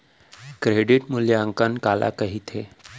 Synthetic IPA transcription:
kɾeɽiʈmuljaəŋkənkalʔa̰kəɦit̪ʰe

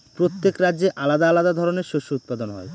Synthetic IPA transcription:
pɾot̪ːekɾadːʑeʔalad̪aalad̪ad̪ʱɔɾoneɾʃoʃout̪̚pad̪onɦɔ̰e

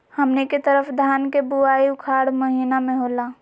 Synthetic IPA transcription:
hɐmneket̪əɾəfd̪ʱaːnkebuaːiʊkʰaːɽmɐɦiːnamẽɦoːlaː

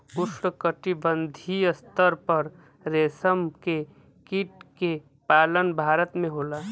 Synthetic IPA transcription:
ʊsɾəkəʈibənd̪ʱijəst̪əɾpəɾ | ɾeːsəmke | kiʈke | paːlənbʱaːɾət̪mẽɦolaː

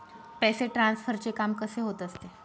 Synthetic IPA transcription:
pɛseʈɾansfəɾt͡ɕekamkəseɦot̪əst̪e

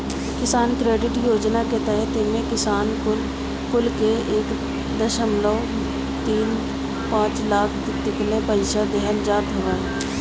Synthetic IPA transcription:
kɪsaːnkɾeːɖɪʈjoːd͡ʒnaket̪ɛɦət̪ɪnmẽkɪsaːnkʊl | kʊlkeeːk | d̪əʃəmlə | t̪iːn | pãːt͡ʃlaːk̪ʰ | t̪ɪklepəɪʃad̪ɛɦənd͡ʒaːt̪ɦoʋaːɛ

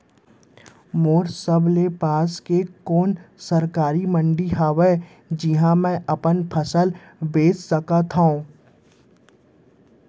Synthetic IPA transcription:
moːɾsəblepaːskekoːnsɐɾkaːɾimə̃ɳɖiɦaːʋe | d͡ʒɪɦãmɛ̃ʔɐpənpʰɐsəl | beːt͡ʃsəkat̪ʰaõ

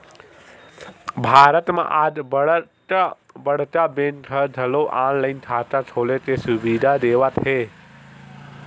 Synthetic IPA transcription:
bʱaːɾət̪mã̰ʔad͡ʒb | bəɽ̤t̪abenʈ̪ʰəd̪ʱəloʔãːnlaint̪ʰaːt̪at͡ʃʰoːlet̪esʊʋid̪ʱad̪eːʋat̪ʰɦe

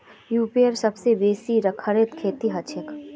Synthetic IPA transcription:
juːpiəɾsɐbsebeːsiɾɐkʰəɾet̪kʰeːt̪iɦɐt͡ʃʰɪk

